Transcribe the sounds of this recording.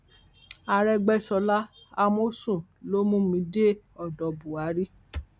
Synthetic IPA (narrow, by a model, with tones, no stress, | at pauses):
a˧ɾɛ˦ɡ͡bɛ˦sɔ˧la˦ | a˧mo˦sũ˦˨lo˦mũ˦mĩ˨˧˦de˦ | ɔ˨dɔ˨bu˨a˨˦ɾi˦